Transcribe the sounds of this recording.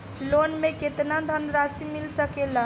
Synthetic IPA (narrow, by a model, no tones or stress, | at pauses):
lonmeket̪nad̪ʱənəɾasimilsəkela